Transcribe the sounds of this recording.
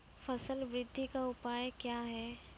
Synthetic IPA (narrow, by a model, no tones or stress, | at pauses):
fʰɐsəlʋɾɪd̪ʱːikaʊpaːjkjaːɦɛː